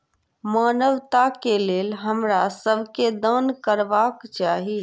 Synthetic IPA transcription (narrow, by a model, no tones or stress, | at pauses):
maːnəʋt̪akeleːlɦəmɾasəbʱked̪ənkəɾʋaːkt͡ʃaːɦi